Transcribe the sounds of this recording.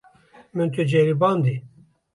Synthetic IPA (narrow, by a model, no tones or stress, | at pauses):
mɨnt̪ʰud͡ʒɛɾibɑːnd̪i